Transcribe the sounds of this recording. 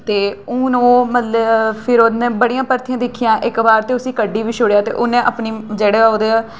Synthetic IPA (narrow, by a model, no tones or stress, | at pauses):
t̪eːũːnõːmət̪ləbpʰɪɾoːnẽːbəɽijãːpəɾt̪ɪjãːd̪ɪkʰːijãːʔɪkbaːɾt̪eːʊsĩːkəɖiːʋiːʃʰʊɽjaːt̪ḛːʔʊnẽːʔəpniːd͡ʒeːɽeːoːd̪eː